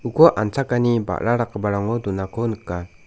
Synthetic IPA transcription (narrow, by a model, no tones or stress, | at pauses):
ukɔʔant͡sakaniba̰ʔɾaɾakəbaɾɔŋɔd̪unakɔnka